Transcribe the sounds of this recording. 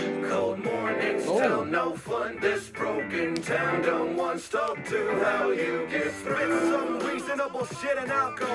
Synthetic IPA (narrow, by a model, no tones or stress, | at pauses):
kʰoʊlˠd̚mɔɹnɪ̃ŋz̥tʰɛlˠnoʊfʌ̃nðɪsb̥ɹoʊkɨ̃ntʰãʊ̃ndʌ̃ʊ̃nʔwɑ̃nstɑp̚tʰɨhaʊjɨɡɛt̚θɹɪsʌ̃mɹizɨ̃nəbl̩ˠʃɪɾɨ̃naʊt̚kʰʌ̃